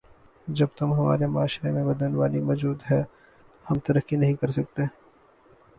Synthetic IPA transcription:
d͡ʒɐb̚t̪ʊmɦɐma̰ːɾemʊaːʃɾemẽbɐd̪ənʋaːlimɔːd͡ʒuːd̪ɦɛ | hɐmt̪ɐɾəkinɐɦĩkɐɾsɐk̚t̪e

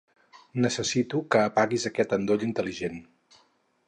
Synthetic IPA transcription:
nəsəsit̪ukəːpaɣizəkɛt̪ənd̪oʎint̪əliʒen

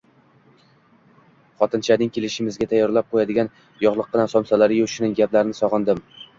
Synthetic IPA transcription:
χɒt̪ʰɪnt͡ʃʰanɪŋkʲʰe̞lɪʃɪmɪzɡʲat̪ʰajːɒɾlap̚qʰojad̪ɪɡʲan | jɒʁlˠɨq̚ːɨnansɒmsalaɾɪjoʃɪnɪŋɡʲaplaɾɪnɪsɒʁɨnd̪ɪm

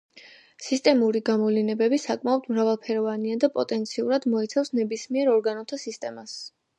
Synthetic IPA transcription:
sist̪ʼɛmuɾiɡamɔvlinɛbɛbisakʼmaɔd̪mɾavalˠpʰɛɾɔvaniad̪apʼɔt̪ʼɛnt̪sʰiuɾad̪mɔit̪sʰafsnɛbismiɛɾɔɾɡanɔt̪ʰasist̪ʼɛmas

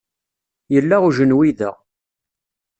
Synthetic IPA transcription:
jəlːaʁuʒənwiðæ̰

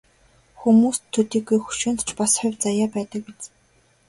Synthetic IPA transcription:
xumuːst̪ʰːɵt̪iːɡujxu̥ʃʊːnt̪ʰt͡ɕpasχʊwʲt͡sajaːpæːt̪ə̆k̚pet͡s

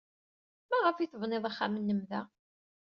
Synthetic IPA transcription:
mæʁəfiθəvneðˤaχːamənːəmðæ

